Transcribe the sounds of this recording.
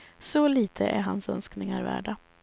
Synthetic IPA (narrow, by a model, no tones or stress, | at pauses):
sɔliːt̪ʰəʔæɾɦansœnsknɪŋaɾvæ̰ːɖa